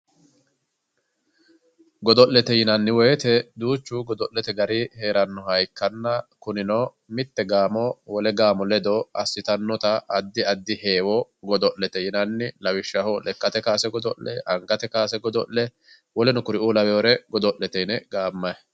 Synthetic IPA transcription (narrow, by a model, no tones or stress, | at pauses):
ɡɔd̪ɔʔlɛt̪ɛjɪnɐnːɪwɔjt̪ɛd̪uːt͡ʃːuɡɔd̪ɔʔlːɛt̪ɛɡɐɾɪheːɾɐnːɔhɐjkːɐnːɐkʊnɪnoː | mɪt̪ːɛɡaːmɔwɔlɛɡaːmɔlɛd̪ɔɐsːɪt̪ɐnːɔt̪ɐʔːd̪ːɪɐd̪ːɪhe̞ːwɔɡɔd̪ɔʔlːɛt̪ɛjɪnɐnːɪlɐwɪʃːɐhɔlɛkʼːɐt̪ɛkaːsɛɡɔd̪ɔʔlɛ̰ʔɐŋɡɐt̪ɛkaːsɛɡɔd̪ɔlːɛ | wɔlɛnʊkʊɾɪʔuːlɐwɛwɔɾɛɡɔd̪ɔʔlːɛt̪ɛjnɛɡ̥aːmːɐj